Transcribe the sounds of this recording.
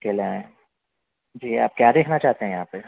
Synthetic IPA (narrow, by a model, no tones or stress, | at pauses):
keːleaẽ | d͡ʒiːaːp̚kjaːd̪eːkʰnat͡ʃaːɦt̪eɦɛ̃jɐɦãːpe